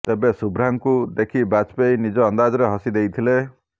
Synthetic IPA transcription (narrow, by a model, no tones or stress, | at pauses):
t̪ebesubʱɾaŋkud̪ekʰibat͡ʃpejnid͡ʒɔːnd̪ad͡ʒɔɾeɦɔsid̪ejt̪ʰile